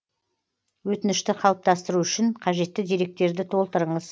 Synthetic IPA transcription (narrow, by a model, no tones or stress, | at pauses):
wɵt̪ɪnɪʃt̪ɪqʰɑlˠəp̚t̪ɑst̪əɾuʏʃɪɴqʰɑʒe̞t̪ːɪd̪e̞ɾe̞k̚t̪e̞ɾd̪ɪt̪ʰo̞lˠt̪əɾəɴəz